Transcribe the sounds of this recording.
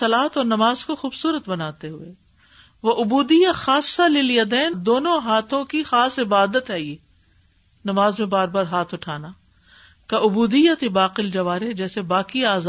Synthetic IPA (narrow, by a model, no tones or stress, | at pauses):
ɐlaːt̪ɔːɾnɐmaːzkoxuːbsuːɾət̪bɐnaːt̪eɦʊeː | ʋoʔʊbuːd̪ijaxaːsːalɪljɐd̪ɛːnd̪oːnõɦaːt̪ʰõkixaːsɪbaːd̪ət̪ɦɛjeː | nɐmaːzmẽbaːɾbaːɾɦaːt̪ʰʊʈʰaːna | kaʔʊbuːd̪ijat̪ebaːqɪld͡ʒɐʋaːɾed͡ʒɛːsebaːkiaːz